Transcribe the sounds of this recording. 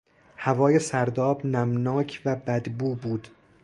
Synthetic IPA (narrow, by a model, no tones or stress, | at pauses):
hævɒːjesæɾd̪ɒːbnæmnɒːcʰvæbæd̪buːbuːd̪̥